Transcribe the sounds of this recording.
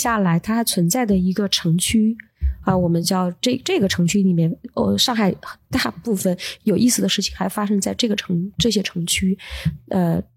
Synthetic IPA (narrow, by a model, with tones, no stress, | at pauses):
ɕja˥˩la˧˥ɪt̪ʰa˥xa˧˥ɪt͡sʰwə˧˥nt͡sa˥˩ɪd̪ə˩i˧˥ɡə˧ʈ͡ʂʰɤ˧˥ŋt͡ɕʰy˥ | ə˧wɔ˨˩mə˦nt͡ɕjɑ˥˧ʊʈ͡ʂɤ˥˩ʈ͡ʂɤ˥˩ɡə˩ʈ͡ʂʰɤ˧˥ŋt͡ɕʰy˥li˨˩mjɛ˥˩nə˥˧ʂɑ˥˩˧ŋxa˨˩ɪxə˨˩nt̪a˥˧pu˥˩fə˨˩njo˨˩ʊʔi˥˩sɹ̩˩d̪ə˦ʂɻ̩˥˩t͡ɕʰi̥˨˩ŋxa˧˥ɪfa˥ʂɤ˥ŋt͡sa˥˧ɪʈ͡ʂɤ˥˩ɡə˩ʈ͡ʂʰɤ˧˥ŋʈ͡ʂɤ˥˩ɕ̬jɛ˥ʈ͡ʂʰɤ˧˥ŋt͡ɕʰy˥ə˥˧